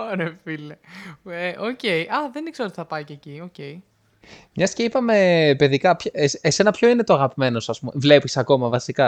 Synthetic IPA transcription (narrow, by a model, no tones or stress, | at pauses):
oɾefileeʔoce̞iʔɐðe̞nikseɾo̞t̪i̥θɐpɐicecioce̞i | mɲɐsceipɐme̞pe̞ðikɐpçesese̞nɐpço̞ine̞t̪oɐɣɐpime̞no̞sɐsmumvle̞pisɐko̞mɐvɐsikɐ